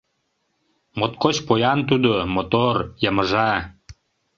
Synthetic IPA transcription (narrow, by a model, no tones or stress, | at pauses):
mot̪̚kot͡ɕpojɑnt̪̬ud̪omot̪orjəməʒɑ